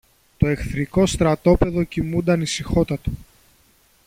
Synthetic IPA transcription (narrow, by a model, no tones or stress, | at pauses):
t̪o̞e̞kθɾiko̞st̪ɾɐt̪o̞pe̞ðo̞cimund̪ɐnisixo̞t̪ɐt̪o